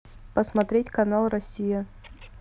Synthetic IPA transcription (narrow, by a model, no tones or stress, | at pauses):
pəsmɐt̪ɾʲetʲkɐnalˠrɐsʲːija